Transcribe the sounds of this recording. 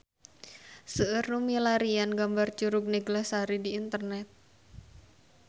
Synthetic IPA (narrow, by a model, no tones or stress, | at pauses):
səʔərnumilaɾianɡambart͡ʃuɾʊk̚neɡlahsaɾidiːnt̪ərnɛt̪̚